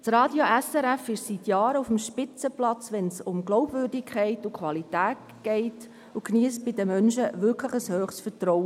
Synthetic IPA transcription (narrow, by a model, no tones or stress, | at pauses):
t͡sɾɑːdjoʔɛsɛɾɛfɪʃsitjɑːɾəufmʃpɪt͡səplɑt͡sʋɛnsʊmɡlɔʊbvʏːɾdɪkʰχɛɪtukʰʋɑlitæːt | ɡ̥ɛɪt | ukniəsb̥ɪdəmœnʃəʋɪɾkʰləχəshøːχsfətɾɔwə